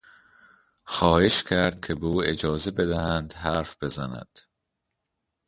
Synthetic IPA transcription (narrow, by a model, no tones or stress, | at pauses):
xɒːhe̞ʃcʰæɾd̪̥̚cʲʰe̞beuːed͡ʒɒːze̞bed̪æhænd̪hæɾfb̥e̞zænæ̰d̪̥